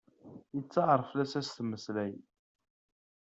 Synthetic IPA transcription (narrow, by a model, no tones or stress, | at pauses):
jət͡sːɑʁɾˤəflæsæst̪mːəslæj